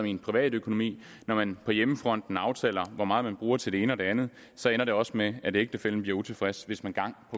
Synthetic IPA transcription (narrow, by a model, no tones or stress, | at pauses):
minpʰʁiʋɛ̰ːd̥økʰo̝no̝mḭː | nɒmænpʰɒ̽jeməfʁɒ̽n̰d̥n̩ɑ̈ʊt͡sʰɛ̰ːlɐʋɒmɑ̈ːð̞̩ˠmænb̥ʁuːɐt͡sʰe̝ld̥e̝e̝ːnəɒ̽d̥e̝ænð̞̩ˠ | sɒ̽enɐɾ̥e̝ɒ̽smeæd̥e̝e̝ɡ̥̚d̥ʰefel̰m̩bliɐut͡sʰe̝fʁæsʋe̝smænɡ̥ɑ̈ŋ̰pʰɒ̽